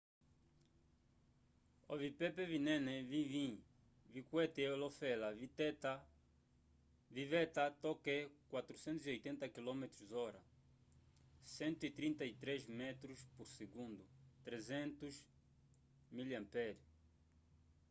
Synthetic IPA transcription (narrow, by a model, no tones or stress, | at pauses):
ovipepevinẽnevĩvĩ | vikwɛt̪eolofɛlav | vivɛt̪at̪ɔkekwat̪ɾusẽnt̪uziojt̪ẽnt̪ɐkilɔmet̪ɾuzɔɾɐ | sẽnt̪uit̪ɾĩnt̪ɐit̪ɾezmɛt̪ɾuspuɾseɡũnd̪ut̪ɾezẽnt̪uʃ | miljɐ̃mpɛɾi